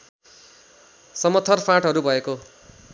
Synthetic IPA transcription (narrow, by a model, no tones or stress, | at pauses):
sʌmʌt̪ʰːʌrpʰãʈɦʌɾubʱʌeko